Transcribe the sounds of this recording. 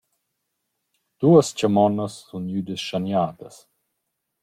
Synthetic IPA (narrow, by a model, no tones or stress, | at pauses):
d̪̥uəst͡ɕəmɔnəsːunjyd̪əsʃanjaːt̪əs